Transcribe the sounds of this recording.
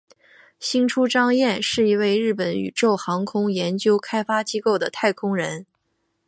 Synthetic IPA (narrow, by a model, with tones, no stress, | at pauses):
ɕi˥ŋʈ͡ʂʰu˥ʈ͡ʂɑ˥ŋjɛ˥˧nʂɻ̩˥˩i˧˥we˥˧ɪɻɻ̩˥˩pə˧˥ny̰˨˩ʈ͡ʂo˥˩ʊxɑ˧˥ŋkʰʊ˥ŋjɛ˧˥nt͡ɕjo˥ʊkʰa˥ɪfa˥t͡ɕi˥ko˥˩ʊd̪ə˩t̪ʰa˥˩ɪkʰʊ˥ŋɻə˧˥n